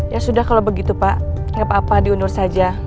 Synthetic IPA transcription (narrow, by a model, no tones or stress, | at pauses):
jasudahkalawbəɡit̪upaʔ | ŋɡapaːpadiunʊrsad͡ʒa